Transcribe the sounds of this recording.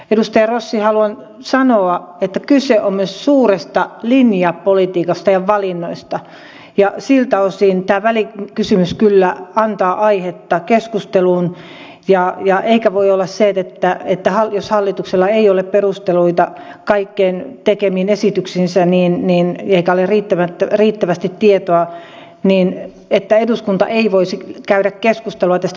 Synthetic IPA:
edust̪ɑjɑrosːihɑluɑn | sɑnoɑet̪ːækyseʔommyøssuːrest̪ɑlinjɑppolit̪iːkɑst̪ɑjɑʋɑlinːoist̪ɑ | jɑsilt̪æosiːnt̪æːʋælikysymyskylːæɑnt̪ɑːʔɑihet̪ːɑkeskust̪eluːn | jɑjɑʔeikæʋoiolːɑsseet̪et̪ːæet̪ːæhɑljoshɑlːit̪ukselːɑeiolepperust̪eluit̪ɑ | kɑikːeːnt̪ekemiːnesit̪yksinsæniːnniːneikæoleriːt̪ːæʋæt̪ːriːt̪ːæʋæst̪it̪tiet̪oɑ | niːn | et̪ːæeduskunt̪ɑ̰ʔeiʋoisikæyɾækkeskust̪eluɑt̪æst̪

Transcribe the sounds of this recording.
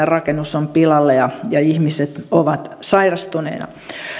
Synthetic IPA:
erɑkenːusompilɑlːejɑjɑihmiset̪oʋɑt̪sɑirɑst̪unḛːnɑ̰

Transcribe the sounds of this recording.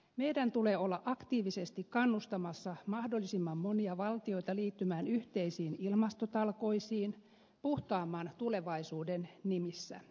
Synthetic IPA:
meidænt̪uleːolːɑʔɑkt̪iːʋisest̪ikkɑnːust̪ɑmɑsːɑmɑhdolːisimːɑmːoniɑʋɑlt̪io̞jt̪ɑliːt̪ːymæːnyht̪eisiːnilmɑst̪ot̪ɑlko̞isiːn | puht̪ɑːmːɑːnt̪ule̞ʋɑisuːdennimisːæ̰

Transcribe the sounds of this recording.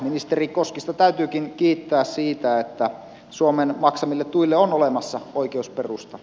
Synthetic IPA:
minist̪erikoskist̪ɑt̪æyt̪yːkinkiːt̪ːæːssiːt̪æet̪ːæ | suomenmɑksɑmilːet̪t̪uilːeonolemɑsːɑoikeusperust̪ɑ

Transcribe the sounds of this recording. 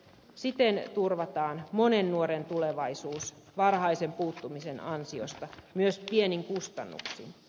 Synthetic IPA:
sit̪ent̪urʋɑt̪ɑːnmonenːuoɾent̪uleʋɑisuːs | ʋɑrɦɑisempuːt̪ːumisenɑnsiost̪ɑmyøspieniŋkust̪ɑ̰nːṵksḭn

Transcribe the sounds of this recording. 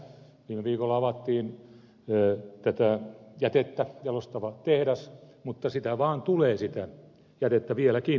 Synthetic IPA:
ʋiːmeʋiːkolːɑɑʋɑt̪ːiːnː | t̪æt̪æˑjæt̪et̪ːæjɑlost̪ɑʋɑt̪ehɾæsmut̪ːɑsit̪æʋɑːnt̪uleːsit̪æ | jæt̪et̪ːæʋielæki

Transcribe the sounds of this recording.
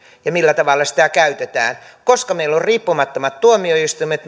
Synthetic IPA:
jɑmilːæt̪ɑʋɑlːɑsi̥t̪ækæyt̪et̪æ̰ːn | koskɑmeilːorriːpːumɑt̪ːomɑt̪t̪uomioist̪umet̪

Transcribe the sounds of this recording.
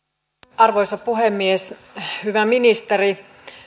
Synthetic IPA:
ɑrʋojsɑpuhemːieshyʋæminist̪eri

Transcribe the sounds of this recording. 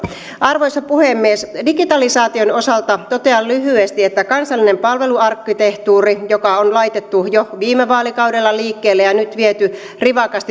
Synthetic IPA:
ʔɑrʋo̞jsɑpuhemːiesdiɡit̪ɑlisɑːt̪io̞no̞sɑlt̪ɑt̪o̞t̪e̞ɑllyɦyest̪iet̪ːækɑnsɑlːine̞mpɑlʋe̞luɑrkːit̪e̞ht̪uːrijokɑonlɑjt̪et̪ːujoʋiːmeʋɑːlikɑwdelːɑliːkːeːlːejɑnyt̪ʋiet̪y | riʋɑkɑst̪i

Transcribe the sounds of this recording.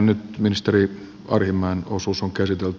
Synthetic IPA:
nnyt̪minist̪eri | ɑ̰rhimːɑinosusoŋkæsit̪elt̪

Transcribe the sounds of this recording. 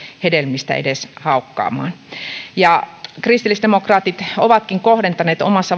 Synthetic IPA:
hedelmist̪æ̰ḛdeshɑukːɑ̰ːmˑɑ̰ːnjɑkrist̪ilːisd̥emokrɑːt̪it̪oʋɑt̪kiŋkohɾent̪ɑneːt̪o̰mɑsːɑ

